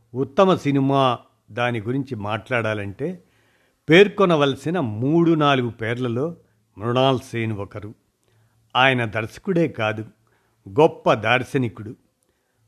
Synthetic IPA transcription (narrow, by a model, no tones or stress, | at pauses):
ut̪ːɐmɐsinimaː | d̪aːniɡuɾiɲt͡ʃimaːʈlaːɽaːlɐɳʈe̞ː | pe̞ːɾkɔnɐʋɐlɐsinɐmuːɽunaːluɡupeːɾlɐlo̞ː | mɾuɳaːlseːnʋɔkɐɾu | aːjɐnɐd̪ɐɾsɐ̥kuɽe̞ːkaːd̪u | ɡɔpːɐd̪aːɾsɐnikuɽu